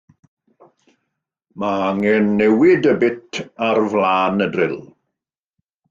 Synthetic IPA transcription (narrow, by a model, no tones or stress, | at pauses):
maaŋɛnːɛwɪdəbɪtʰarvlaːnədrɪlˠ